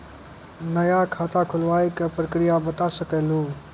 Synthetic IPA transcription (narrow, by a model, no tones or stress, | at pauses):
nəjaːkʰaːt̪akʰʊlʋaːikəpɾəkɾɪjabət̪asəkeloː